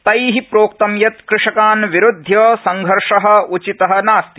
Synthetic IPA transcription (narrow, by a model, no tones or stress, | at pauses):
t̪ɐjɦipɾoːk̚t̪ɐmjɐt̪kɾɪʂɐkaːnʋiɾud̪ʱjɐːsɐŋɡʱɐɾʂɐɦɐ̆ut͡ʃit̪ɐɦɐnaːst̪i̥